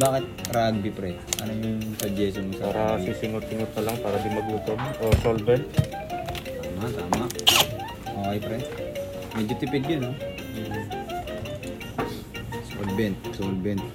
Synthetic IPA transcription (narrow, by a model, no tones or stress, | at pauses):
baːkɪt̪̚ɾaɡ̚bɪpɾɛ | ʔɐnojʊŋsɐd͡ʒɛːsomosɐaːɾɐisɪŋot̪sɪŋot̪̚ːɐlaŋpaːɾɐd̪ɪmɐɡuːt̪omʔosolbɛnt̪ | t̪aːmat̪aːmaʔ | ʔoʔɐjpɾɛ | mɛd͡ʒʊt̪ɪpɪd̪̚ɡɐno | so̰lbɛnt̪̚solbɛnt̪̚